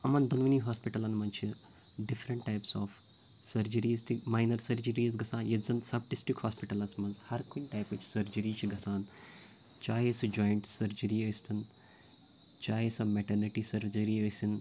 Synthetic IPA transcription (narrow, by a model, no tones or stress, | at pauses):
ɐmɐnd̪ɐnʋɐniːɦaːspiʈɐlɐnmɐnt͡ʃʰi | ɖɪfɾɐɳʈːajpsɔːf | sɐɾd͡ʒɐɾiːzt̪ʰimaːnɐɾsɐɾd͡ʒəɾiːzɡɐsaːnjɐzɐnsɐb̚ʈɪsʈikhoːspiʈɐlɐsmɐnzhɐɾkoinʈaːjpɐt͡ʃʰsɐɾd͡ʒɐɾiːt͡ʃʰiɡɐsaːn | t͡ʃaːɦesud͡ʒoːjɳʈsɐɾd͡ʒəɾiəːst̪ʰɐn | t͡ʃaːɦesɐmeʈɐɾniʈiːsɐɾd͡ʒɐɾiːəsin